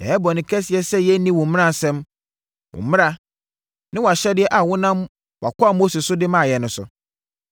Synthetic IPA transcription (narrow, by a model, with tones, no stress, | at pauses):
ɛ˨˦bɔ˨nɪ̃˨kʰɛ˦sɪ˨ɛ˦sɛ˦jɛ˦nĩ˦wɔ̃˨mɪ̃˦nã˦˨sɛ̃˦m | wʊ̰˨mɪ̃˦ɾa˦ | nɪ̃˦wɔ˨a˨ɕɛ˦dɪ˦ɛ˦ʔa˨wʊ̃˦nã˦m | wa̰˨kʰɔ˦a˨mo˦se˨sʊ˦dɪ˦mã˦˨jɛ˨nʊ̃˨sʊ̰˨